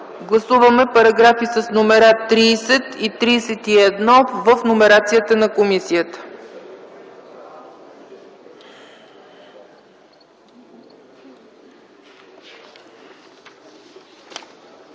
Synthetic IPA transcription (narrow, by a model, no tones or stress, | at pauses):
ɡlˠɐsuvəmɛpɐɾɐɡɾafisəsnomɛɾat̪ːɾiːsɛt̪it̪ɾiːsɛt̪iɛd̪nɔvəfnomɛɾat̪sijət̪ənɐkomisijət̪ə̥